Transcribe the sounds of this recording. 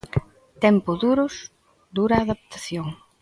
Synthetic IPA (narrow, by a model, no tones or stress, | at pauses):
t̪ɛmpʊðuɾʊs | d̪uɾaːðapt̪aθjoŋ